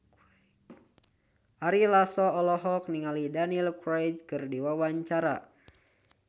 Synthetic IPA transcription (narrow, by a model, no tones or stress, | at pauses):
ʔaɾilasɔɔlɔɦɔk̚niŋalidanilkɾed͡ʒ̚kɨrdiwawaɲt͡ʃaɾa̰